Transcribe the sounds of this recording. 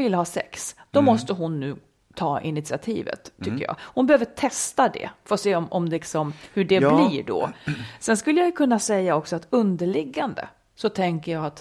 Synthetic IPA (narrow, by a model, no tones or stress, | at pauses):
vɪlhɑːsɛ̰ksd̪̥ɔmɔst̪əɦʊnːʉ̟ː | t̪ʰɑːʔɪnɪt̪sɪat̪ʰḭːvə̰t̪ʰːʏkːə̰jɑ̰ːhʊnbɛhøːvəʈʰɛst̪ad̪ɛ̰fœɾɔseːɔmʔɔmlɪksɔmhɵɖɛbliːɖɔ̰sɛnskɵlːəjajɵkʰɵnːasɛjːaɔksɔat̪ɵnd̪əɭɪɡːand̪ə̰ | sɔt̪ʰɛŋkəjaːat̪